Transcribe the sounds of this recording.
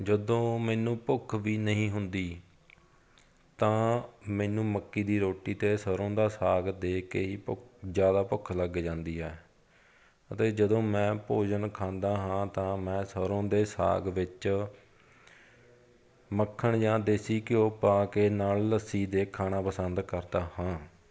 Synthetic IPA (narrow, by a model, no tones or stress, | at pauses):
d͡ʒəd̪õːmɛːnũːpʊkʰʋiːnəɦĩːɦʊnd̪iː | t̪ãːmɛːnũːməkːiːd̪iːɾoːʈiːt̪eːsəɾõːd̪aːsaːɡd̪eːkeːiːpd͡ʒjaːd̪aːpʊkʰləɡd͡ʒãːnd̪iːɦɛː | ət̪eːd͡ʒəd̪õːmɛ̃ːpoːd͡ʒənkʰãːnd̪aːɦãːt̪ãːmɛ̃ːsəɾõːd̪eːsa̰ːɡʋɪt͡ʃ | məkʰːəɳd͡ʒãːd̪eːsiːkɪoːpaːkeːnaːlləsiːd̪eːkʰːaːnaːpəsənd̪kəɾd̪aːhãː